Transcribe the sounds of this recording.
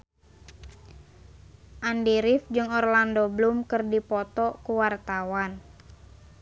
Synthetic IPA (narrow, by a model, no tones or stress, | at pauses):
ʔandiɾɪfd͡ʒɨŋɔrlandoblumkɨrdipɔt̪ɔkuwart̪awan